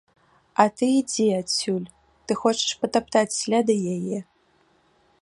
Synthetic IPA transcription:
atʰɨid͡zʲeat͡sʲʰulʲ | tɨxot͡ʃʰɛ̥ʂpʰɐtap̚ʰt̪ʰat͡sʲlʲad̪ɐjɛje

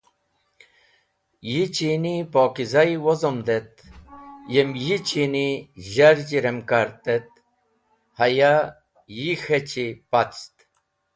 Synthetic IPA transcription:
jit͡ɕinipoːkizajwozomd̪et̪ | jemjit͡ɕiniʑɐɾd͡ʑiɾemkaɾt̪et̪̚ | hɐja | jixet͡ɕipat͡st̪

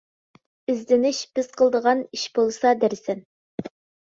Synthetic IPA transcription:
ɪzd̪ɪnɪʃb̥ɪz̥qʰəlˠd̪əʁɑniʃb̥olˠsɑd̪æɾsɛn

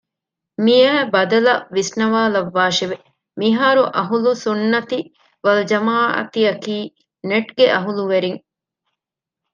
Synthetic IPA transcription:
mijæːbɐd̪ɐlɐʋisnɐʋaːlɐʋːaːʃeʋe | miɦaːɾuʔɐɦulusunːɐt̪i | ʋɐld͡ʒɐmaːʔɐ̰t̪iɐkiː | neʈɡeʔɐɦuluʋeɾiŋ

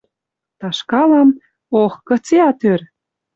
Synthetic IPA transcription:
t̪ɑʃkɑlɑm | oxkɤ̆t͡seɑt̪ør

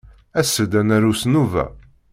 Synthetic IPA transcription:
æsːəd̪ænæɾusnuvæ̰

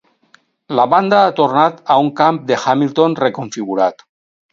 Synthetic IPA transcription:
laβand̪aat̪oɾnat̪auŋkamp̚d̪examilt̪onrekoɱfiɣ̞uɾat̪

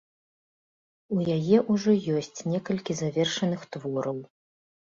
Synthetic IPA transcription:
ujajɛʔuʐɔjɔsʲt͡sʲnʲɛkɐlʲkʲizavʲɛrʂɐnɨxt̪vɔɾɐw

